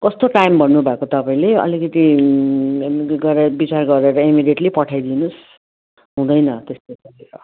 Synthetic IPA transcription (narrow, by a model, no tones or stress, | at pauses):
kʌst̪oʈajmbʌnːubʱakot̪ʌpaĩleʌ̰likʌt̪i | ɡʌɾebit͡sarɡʌɾeɾʌimidjeʈlipʌʈʰajd̪inus | ɦũd̪ʌjnʌt̪est̪osʌɾeɾʌ